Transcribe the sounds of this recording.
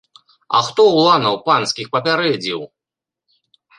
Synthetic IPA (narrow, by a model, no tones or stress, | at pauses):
ɐ̰xt̪ɔwlˠanɐwpansʲkʲixpɐpʲaɾɛd͡zʲiw